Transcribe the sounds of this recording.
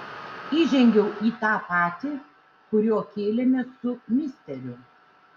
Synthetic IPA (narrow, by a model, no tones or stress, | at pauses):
iːʒʲɛŋʲɡʲɛʊʔiːt̪ɑːpɑːt̪ʲiː | kʊɾʲoɔkʲeːlʲɪmʲɛsʊmʲɪsʲt̪ʲɛɾʲʊ